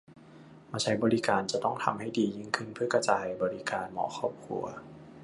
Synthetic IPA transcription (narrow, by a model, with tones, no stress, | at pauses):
maː˧t͡ɕʰa˦jbɔː˧li˦˥kaː˨nt͡ɕa˨˧˩t̪ɔ˥˩ŋt̪ʰa̰˧mha˥˩jdiː˨˩ji˧˩˨ŋkʰɯ˥˩npʰɯ˥˩ɐka˧t͡ɕaː˨˩jbɔː˨˧li˦˥kaː˨nmɔ̰ː˨˩˦kʰɔː˥˩p̚kʰṵ˧ɐ